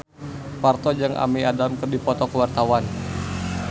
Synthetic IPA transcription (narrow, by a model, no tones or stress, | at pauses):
part̪ɔd͡ʒaŋʔa̰miadamkɨrdipɔt̪ɔkəwart̪awan